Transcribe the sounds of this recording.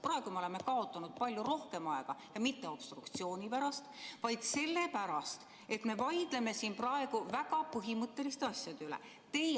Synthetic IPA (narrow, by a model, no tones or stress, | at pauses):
prɑe̞ɡ̥umeo̞le̞me̞kɑo̞t̪ːˑɑnud̪̥̚pɑlʲjuɾo̞hke̞mɑeɡ̥ɑjɑmit̪ːe̞o̞b̥st̪rukt̪sio̞ːnʲipæɾɑst̪vɑjd̪̥se̞lːe̞pæɾɑst̪ | e̞t̪me̞vɑjd̪̥le̞me̞siːnprɑe̞ɡ̥uvæɡɑpɯɦimɤt̪ˑːe̞list̪eɑsʲjɑd̪ylḛ | t̪e̞j